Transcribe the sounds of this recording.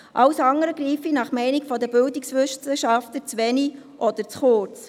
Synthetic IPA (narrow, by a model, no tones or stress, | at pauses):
ʔɑwsɑŋːəɾəɡɾiːfinɑχmɛɪnikfɔd̪əbʏldɪksʋʏʃsəʃɑftət͡sʋɛni | ʔɔd̪əɾt͡sχʊrt͡s